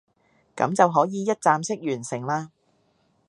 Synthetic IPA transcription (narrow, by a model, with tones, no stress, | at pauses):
kɐ̰˨˥mt͡sɐ˨wɦɔː˨˥jiː˨jɐ˥t̚t͡saː˨˧msɪ˥k̚jyː˨˩nsɪ˨˩ŋlaː˧